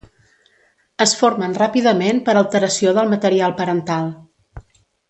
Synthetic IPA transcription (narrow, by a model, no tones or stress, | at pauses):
əsfoɾmənrapiðəmenpəɾəlˠt̪əɾəsioðəlˠmət̪əɾialˠpəɾənt̪alˠ